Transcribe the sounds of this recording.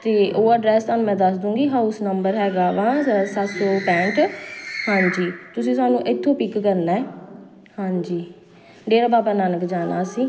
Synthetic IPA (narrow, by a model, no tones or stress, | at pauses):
t̪eːʔoːaɖɾɛːst̪aːnũːmɛ̃ːd̪əsd̪ũːɡiːɦaːʊsnəmbəɾɦɛːɡaːʋãːsasoːpɛ̃ːɳʈhãːɲd͡ʒiːt̪ʊsĩːsaːnũːʔɪt̪ʰːõːpɪkːəɾnaːɛː | hãːɲd͡ʒiː | ɖeːɾaːbaːbaːnaːnəkd͡ʒaːna̰ːsĩː